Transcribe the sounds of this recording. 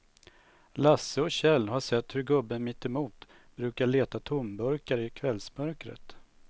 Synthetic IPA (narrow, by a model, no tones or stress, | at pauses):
lasːəɔɕɛlːɦaʂɛt̪ːhɵɾɡɵbːənmɪt̪ːɛmuːt̪ | b̥ɾʉ̟ːkaɭeːt̪at̪ʰʊmbœɾkaɾɪkʰvɛlsmœɾkɾə̰t̪